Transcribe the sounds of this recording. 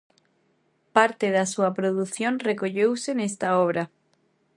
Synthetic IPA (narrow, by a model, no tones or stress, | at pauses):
paɾt̪eðasuapɾoðuθjonrekoʎewsenest̪aoβ̞ɾa